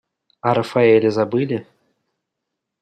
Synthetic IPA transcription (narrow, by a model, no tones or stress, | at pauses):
ɐɾɐfaɛlʲɪzɐbɨlʲɪ